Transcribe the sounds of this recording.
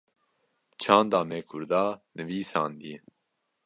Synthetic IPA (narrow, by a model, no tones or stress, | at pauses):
t͡ʃʰɑ̃ːnd̪aːmɛkʰʊɾd̪aːnɨviːsɑ̰ːnd̪ie